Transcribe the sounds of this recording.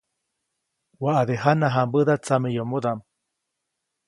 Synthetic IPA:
waʔaðeɦanaɦambəðat͡samejomuðam

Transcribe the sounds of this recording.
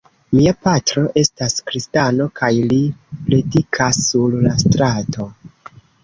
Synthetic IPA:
miapatɾo̞ʔe̞staskɾistano̞kajlipledikʰasːullastɾato̞

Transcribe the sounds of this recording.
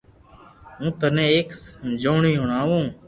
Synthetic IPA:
ɦũːt̪ənẽːeːksd͡ʒoːɳiːɦʊɳaːʋũː

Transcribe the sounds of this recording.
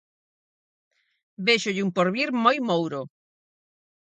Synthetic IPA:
beʃʊʎɪumpoɾβiɾmojmowɾo

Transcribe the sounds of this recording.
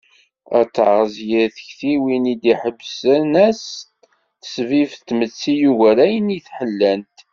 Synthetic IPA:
æ̰t͡sːʕəzjəɾθəçθiwinid̪iħəbsənæs | θəsvift̪ːmət͡sːijuɣæɾæjəniθħəlːænt̪

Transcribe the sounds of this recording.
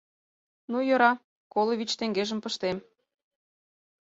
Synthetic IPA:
nujɤ̆ɾɑ | koloβʲit͡ɕt̪eŋɡeʒə̆mpə̆ʃt̪em

